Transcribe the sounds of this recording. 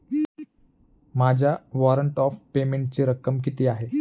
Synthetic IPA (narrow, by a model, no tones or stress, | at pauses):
mad͡ʑʱjaʋɔɾəɳʈɔfpemeɳʈ̚t͡seɾəkːəmkit̪iːaɦe